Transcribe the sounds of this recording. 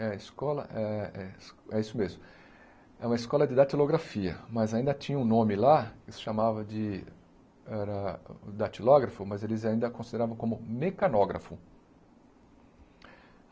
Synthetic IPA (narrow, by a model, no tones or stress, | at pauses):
ɛɐiskɔlɐ̰ʔɛɛsɛisʊmezmʊ | ɛũmɐiskɔlɐd͡ʒɪd̪at͡ʃiloɡɾafiɐ̰mɐzaĩnd̪ɐt͡ʃĩɲɐũnõmɪlakɪsɪ̥ʃamavɐd͡ʒɪ | ɛɾɐd̪at͡ʃilɔɡɾɐfʊmɐzelɪzaĩnd̪ɐkõsid̪eɾavɐ̃w̃kõmʊmekanɔɡɾɐ̰fʊ̰